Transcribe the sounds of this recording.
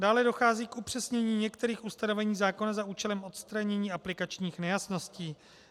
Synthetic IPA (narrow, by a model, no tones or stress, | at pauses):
daːlɛdo̞xaːziːkupr̝̥ɛsɲɛɲiːɲɛkt̪ɛɾiːxust̪ano̞vɛɲiːzaːko̞nazaʔuːt͡ʃɛlɛmʔo̞t̪st̪ɾaɲɛɲiːaplɪkat͡ʃɲiːxnɛjasno̞sciː